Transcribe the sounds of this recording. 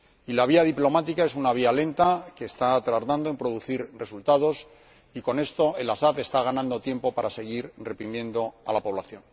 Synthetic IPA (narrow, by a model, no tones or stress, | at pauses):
ilaβ̞iaðiplo̞mat̪ikae̞sunaβ̞iale̞nt̪akeːst̪at̪ɾaɾt̪and̪oe̞mpɾo̞ðuθiɾre̞sult̪að̞o̞s | iko̞ne̞st̪o̞e̞lasaðe̞st̪aɣ̞anãnd̪o̞t̪je̞mpo̞paɾase̞ɣiɾre̞pɾimjẽ̞nd̪o̞alapo̞βlaθjo̞n